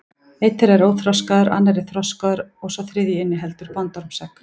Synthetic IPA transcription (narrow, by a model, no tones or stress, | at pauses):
ejt̪ːɛɾɛɾoːwθɾɔskaðʏɾa̰nːaɾɪθɾɔskaðʏɾɔɣsɔθɾɪːðjiɪnːɪɦɛlt̪ʏɾ̥pɔnt̪ɔɾmsɛk